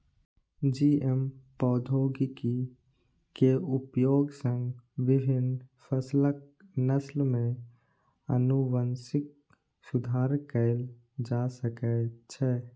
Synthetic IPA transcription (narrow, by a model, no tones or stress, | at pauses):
d͡ʒiempɔːd̪ʱoːɡiki | keupjoːɡsə̃ŋɡʋibʱɪnpʰəslək̚ | nəslmẽ | ə̰nuʋənsɪk̚ | sʊd̪ʱaːɾkəɪl | d͡ʒasəkɛt͡ʃʰɛ